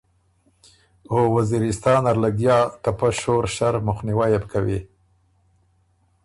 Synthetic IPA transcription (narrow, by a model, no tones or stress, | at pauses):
owaziɾɪst̪ɑːnaɾlaɡjɑt̪apaʃoɾʃaɾmʊxniwajabkawi